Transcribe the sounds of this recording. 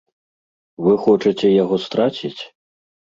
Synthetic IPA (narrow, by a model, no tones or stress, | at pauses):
vɨxɔt͡ʂɐt͡sʲɛjaɣɔst̪ɾat͡sʲit͡sʲ